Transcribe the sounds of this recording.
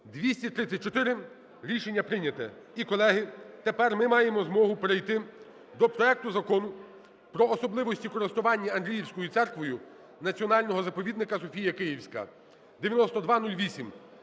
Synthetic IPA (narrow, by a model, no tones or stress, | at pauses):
d̪ʋʲisʲtʲit̪ɾɪt̪sʲɐt̚ʲt͡ʃːɔt̪ɪɾɪ | ɾʲiʃenʲːɐpɾɪnʲɐt̪ɛ | ikɔlˠɛɦɪt̪epɛrmɪmɑjemɔzmɔɦʊpeɾɪjt̪ɪ | d̪ɔpɾɔɛk̚t̪ʊzɐkɔnʊ | pɾɔːsɔblˠɪʋɔsʲtʲikɔɾɪst̪ʊʋɑnʲːɐɐnd̪ɾʲijiwsʲkɔjʊt̪sɛrkʋɔjʊ | nɐt͡sʲiɔnɑlʲnɔɦɔzɐpɔʋʲid̪nɪkɐsɔfʲijɐkɪjiwsʲkɐ̰ | d̪eʋʲjɐnɔst̪ɔd̪ʋɑnulʲʋʲisʲim